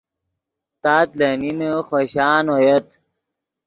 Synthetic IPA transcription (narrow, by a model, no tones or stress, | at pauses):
t̪aːt̪leninəxoɕaːnojet̪